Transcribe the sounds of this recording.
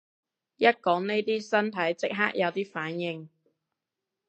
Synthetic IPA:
jɐ˥t̚kɔː˨˥ŋne˥jt̪iː˥sɐ˥nt̪ʰɐ˨˥jt͡sɪ˥k̚ɦaː˥k̚jɐ˨˧wt̪iː˥faː˨˥njɪ˨ŋ

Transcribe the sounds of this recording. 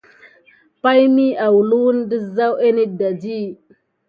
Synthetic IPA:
pa˦jmi˦ʔa˨wu˨lu˦wu˦n˦di˦za˦we˦ni˦da˨d͡ʒi˦

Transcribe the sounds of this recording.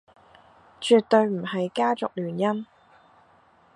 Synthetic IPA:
t͡ʃy˨t̚t̪ɵ˧ɥm̩˨˩ɦɐ˨jkaː˥t͡sʊ˨k̚lyː˨˩njɐ˥n

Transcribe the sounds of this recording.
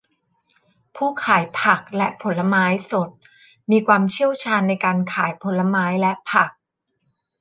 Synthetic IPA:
pʰuː˥˩kʰaː˨˩˦jpʰa˨˩k̚lɛ˦˥ʔpʰo˩˦nlːa˧maː˦˥jso˨˩t̪̚ | miː˧kʰwaː˧mt͡ɕʰi˥˩əwt͡ɕʰaː˧nːa˧jkaː˧nkʰaː˩˦jpʰo˩˦nlːa˧maː˦˥jlɛ˦˥ʔpʰa˨˩k̚

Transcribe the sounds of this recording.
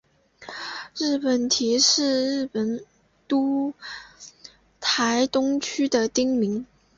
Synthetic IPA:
ɻɻ̩˥˩pə˨˩nt̪ʰi˧˥ʂɻ̩˥˧ɻɻ̩˥˩pə˨˩n | t̪u˥ | t̪ʰa˧˥ɪt̪ʊ˥ŋt͡ɕʰy˥d̪ə˨t̪i˥ŋmi˧˥ŋ

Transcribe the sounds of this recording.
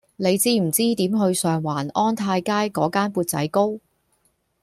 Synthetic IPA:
ne˨˧jt͡siː˥m̩˨˩t͡siː˥t̪iː˨˥mɦɵ˧ɥsœː˨ŋwaː˨˩nʔɔː˥nt̪ʰaː˧jkaː˥jkɔː˨˥kaː˥npuː˧t̚t͡sɐ̰˨˥jko˥w

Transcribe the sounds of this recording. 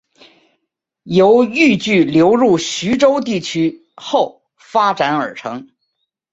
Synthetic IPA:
jo˧˥ʊy˥˧t͡ɕy˥˩ljo˧˥ʊɻu˥˩ɕy˧˥ʈ͡ʂo˥ʊt̪i˥˩t͡ɕʰy˥ | xo˥˩ʊ | fa˥ʈ͡ʂa˧˥nə˞˨˩ʈ͡ʂʰɤ˧˥ŋ

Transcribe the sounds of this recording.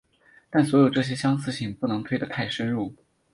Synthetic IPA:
t̪a˥˩nswɔ˧˥jo˨˩ʊʈ͡ʂɤ˥˩ɕ̬jɛ˥ɕjɑ˥ŋsɹ̩˥˧ɕi˨˩ŋpu˥˩nɤ˧˥ŋt̪ʰwe˥ɪd̪ə˨˩t̪ʰa˥˩ɪʂə˥nɻu˥˩

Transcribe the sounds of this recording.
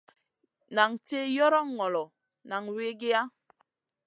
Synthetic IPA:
na˨ŋte˦jɔ˦ɾɔ˦ŋː˨ɔ˨lɔ˨ | na˨ŋwe˦ɡe˦a˦

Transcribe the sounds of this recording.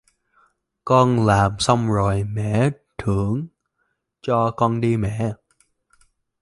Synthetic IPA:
kɔ˧nlaː˨˩msa˧wŋ͡mzo˨˩jmɛ̰˧˨ | t̪ʰɨ˧˩əŋ | t͡ɕɔ˧kɔ˧nɗi˧mɛ̰˧˨

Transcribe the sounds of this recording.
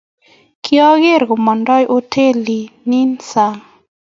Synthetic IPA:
kʰi˦ɔ˦ɡe˦ɾɡo˨mɔ˨ndɔ˦jʔo˦tʰe˦li˨ni˦nsa˨ŋ

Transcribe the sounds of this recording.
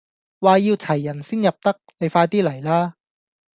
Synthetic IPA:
waː˨jiː˧wt͡sʰɐ˨˩jːɐ˨˩nsiː˥njɐ˨˩p̚t̪ɐ˥k̚ne˨˧jfaː˧jt̪iː˥lɐ˨˩jlaː˥

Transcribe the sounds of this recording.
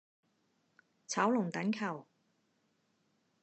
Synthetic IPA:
t͡sʰɐ˨˥wlʊ˨˩ŋt̪ɐ˨˥ŋkʰɐ˨˩w

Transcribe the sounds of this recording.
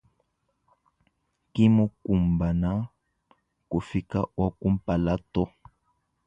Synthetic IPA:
ki˦mu˦ku˨mba˨na˦ | ku˨fi˨ka˦wa˦ku˦m̩˦pa˨la˦tɔ˦

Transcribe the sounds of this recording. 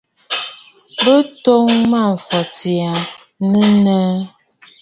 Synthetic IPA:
bə˦to˦ŋma˦˨ɱ̩˨fɔ˨ti˨a˨ | nə˦nə˦

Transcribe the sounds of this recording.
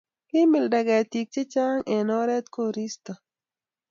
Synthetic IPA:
kɪ˦mɪ˨lda˨ɡa˨t̪i˨k̚t͡ʃe˦t͡ʃa˦ŋe˨nɔ˦ɾɛ˦t̪ko˦ɾi˦st̪a˨

